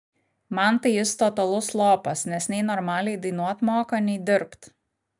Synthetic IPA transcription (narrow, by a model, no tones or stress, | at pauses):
mɐnt̪ɐɪjɪst̪ɔt̪ɐlˠʊslˠoːpɐsnʲɛsʲnʲɛɪnɔɾmɑːlʲɛɪd̪ɐɪnuɔt̪moːkɐnʲɛɪd̪ʲɪɾpt̪